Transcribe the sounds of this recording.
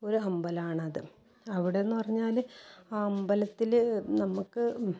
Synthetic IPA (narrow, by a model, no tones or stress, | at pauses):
o̞ɾuɐmbɐlaːɳɐðɨ | ɐʋiɽeenːupɐrɐɲːaːlaːɐmbɐlɐt̪ːilnɐmukːɨ